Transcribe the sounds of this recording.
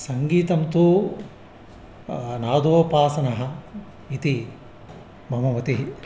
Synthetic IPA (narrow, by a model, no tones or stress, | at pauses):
sɐŋɡiːt̪ɐmt̪u | naːd̪ʱoːpaːsɐnɐɦɐ̆ | it̪i | bʱɐmɐʋɐt̪iɦi